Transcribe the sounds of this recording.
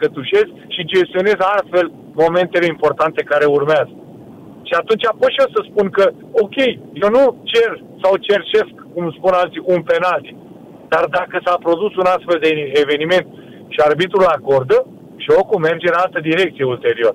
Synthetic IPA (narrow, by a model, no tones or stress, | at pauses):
kət̪uʃe̞skʃid͡ʒe̞st̪io̞ne̞zast̪fe̞l | mo̞me̞nt̪e̞le̞impo̞rt̪ant̪e̞kaɾe̞urmeazə | ʃiat̪unt͡ʃʲapoʃiosəspunkə | o̞kʲe̞jjewnut͡ʃe̞r | sawt͡ʃe̞rt͡ʃe̞skːumspunalt̪siʔunpe̞nalt̪i | d̪̥ard̪akəsapɾo̞d̪usunast̪fe̞ld̪eeve̞nime̞nt̪ | ʃiarbit̪ɾulako̞rd̪ə | ʃio̞kume̞rd͡ʒeɨnalt̪əd̪iɾe̞k̚t̪sijeult̪e̞ɾio̞ɾə